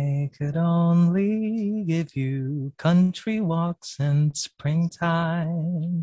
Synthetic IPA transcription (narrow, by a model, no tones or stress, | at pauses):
ɪkʰɨɾõʊ̃nliɡɪvjɨkʰʌ̃nt͡ʃɹ̥iwɔksɨ̃nspɹɪ̃ŋtʰaɪ̃m